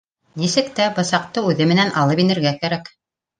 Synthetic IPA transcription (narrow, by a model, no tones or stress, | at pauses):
nisɘ̆kt̪æbɤ̆sɑq̚t̪ɤʉðɘmɘ̆nænʔɑlˠɤpinɘ̆ɾɡækæɾæk